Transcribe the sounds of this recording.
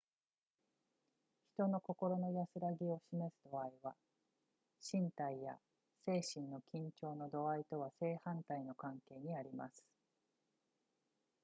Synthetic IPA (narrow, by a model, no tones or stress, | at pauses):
çi̥t̪o̞no̞ko̞ko̞ɾo̞no̞jasɨɾaɡʲio̞ɕime̞sɨd̪o̞aiβa | ɕĩnt̪aija̰ | se̞ːɕĩnːo̞kʲĩɲ̟t͡ɕo̞ːno̞d̪o̞ait̪o̞β̞ase̞ːhãnt̪aino̞kãŋke̞ːɲ̟iaɾʲimasɨ̥